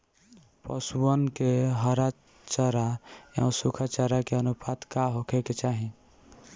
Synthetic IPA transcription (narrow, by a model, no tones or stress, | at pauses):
pəsuənkeɦəɾa | t͡ʃəɾaja̰ũsukʰat͡ʃaɾakeənupʰat̪kaɦokʰeket͡ʃaɦi